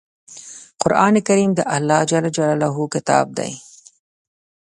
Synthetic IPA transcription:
qʊɾʔɑːnekaɾiːmd̪əʔalːɑːd͡ʒalːad͡ʒalalaɦukɪt̪ɑ̰ːb̚d̪a̰j

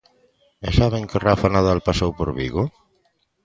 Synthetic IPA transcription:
esaβeŋkerafanaðalpasowpoɾβḭɣo

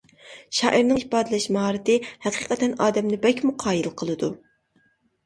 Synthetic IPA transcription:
ʃɑ̰ːʔiɾnɨŋihpɑːd̪ɪlɛʃmɑɦɑːɾɨt̪ɪhɛqʰiːqɛt̪ɛnɑːd̪ɛmnɪbɛkʲmuqʰɑːjilˠqʰəlˠɨd̪u

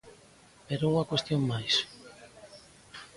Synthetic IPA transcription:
peɾouŋakwest̪joŋmajs

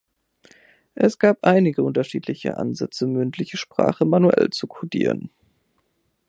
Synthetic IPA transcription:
ʔɛsɡ̥aːpʔaɪnɪɡəʔʊntɐʃiːtʰlɪçə̰ʔa̰nzɛt͡səmʏntʰlɪçəʃpʁ̥a̰ːχəmanuʔɛ̰lt͡sukʰodḭːʁ̞ə̰n

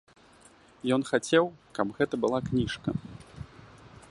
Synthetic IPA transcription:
jɔnxat͡sʲɛwkɐbɣɛt̪ɐbɨlˠaknʲiʂkɐ

